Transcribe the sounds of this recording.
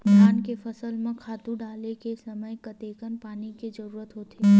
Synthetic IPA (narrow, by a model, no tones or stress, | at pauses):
pɾankefəsəlmãkʰat̪ũɖalekesəməjkət̪ekənpaniked͡ʒəɾuːɾət̪ɦot̪e